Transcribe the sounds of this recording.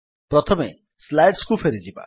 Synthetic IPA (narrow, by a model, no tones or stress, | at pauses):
pɾɔt̪ʰɔme | slajɖskufʰeɾid͡ʒiba̰